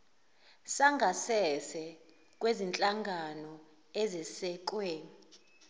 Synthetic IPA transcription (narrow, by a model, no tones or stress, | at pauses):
saŋɡʱasɛsɛ | k̬ʼwezint͡ɬʼaŋɡʱanɔ | ɛzɛsɛk̬ʼwɛːn